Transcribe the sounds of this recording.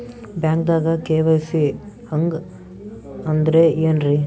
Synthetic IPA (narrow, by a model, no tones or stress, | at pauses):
bjaːŋk̚d̪aːɡɐkeːʋɐjsi | hɐŋɡ | ɐnd̪ɐɾeeːnɾi